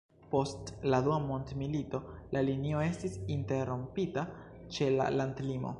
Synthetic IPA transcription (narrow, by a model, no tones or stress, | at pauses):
po̞stladuamo̞ntmilito̞lalinio̞e̞stisinte̞ɾo̞mpita | t͡ʃe̞la̰landlimo̞̰